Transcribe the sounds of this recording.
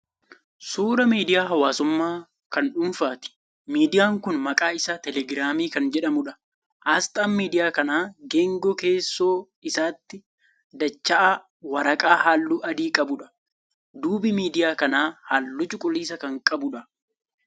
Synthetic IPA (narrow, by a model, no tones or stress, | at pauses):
suːɾɐmiːd̪ɪjaːɦɐwaːsʊmːaː | kɐnᶑʊnfaːt̪ɪ̥ | miːd̪ɪjaːŋkʊnmɐkʼaːɪsaːt̪ɛlɛɡɾaːmiːkɐnd͡ʒɛᶑɐmʊᶑɐ̥ | ʔaːst̪aːmmiːd̪ɪjaːkɐnaːɡeːŋɡɔke̞ːsːo̞ː | ɪsaːt̪ːɪ | d̪ɐt͡ʃːɐʔa | wɐɾɐkʼaːhaːlːuːʔɐd̪iːkʼɐbʊᶑɐ̥ | d̪uːbɪmiːd̪ɪjaːkɐnaːhaːlːʊt͡ʃʼʊkʼʊliːs̬ɐkɐŋkʼɐbʊᶑɐ